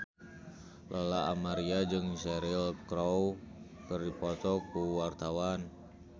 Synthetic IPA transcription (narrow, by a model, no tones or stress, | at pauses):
lʔalaamaɾiad͡ʒɨŋsɛɾilkɾɔw | kərdipɔt̪ɔkuwart̪awan